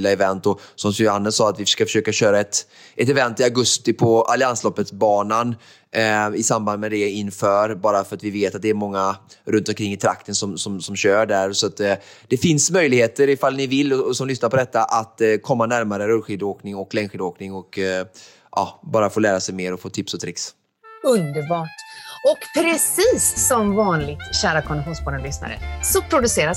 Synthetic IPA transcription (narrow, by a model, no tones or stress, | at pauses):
laɛvɛnt̪ɔsɔmsanːənsɑːat̪vɪfəʂkafœ̥ʂøːkaɕøːɾaɛt̪ | ʔɛt̪ɛvɛnt̪ɪaɡɵst̪ɪpʰɔʔa̰lɪanslɔpːət̪sbɑːnan | ɪsamband̪mɛd̪ɛɪnːfœːɾbɑːɾafœɾat̪vɪveːt̪at̪̚d̪ɛːɾmɔŋːaɾɵnt̪ɔmkʰɾɪŋːɪt̪ʰɾa̰kt̪ənsɔmsɔmsɔmɕœːɖæɾsɔat̪ | d̪̥ɛfɪnsmœjlɪɡheːt̪əɾɪfalnɪvɪlːɔsɔmlʏsnaɾpɔd̪ɛt̪ːaʔat̪kʰɔmːanæɾmaɾəɾɵlɧiːd̪oːknɪŋɔkːlɛŋɧiːd̪oːknɪŋɔk | ʔɑ̰ːbɑːɾafoːlæːɾasɛjmeːɾɔfoːt̪ʰɪpsɔt̪ʰɾɪks | ɵnd̪əɾbɑːʈɔkpʰɾɛsiːsːɔmvɑːnlɪɡ̚t̪ɕæːɾakʰɔnɪɧuːnspʰɔːɖ̪ənlʏsna̰ɾə̰sɔpʰɾʊd̪ɵseːɾa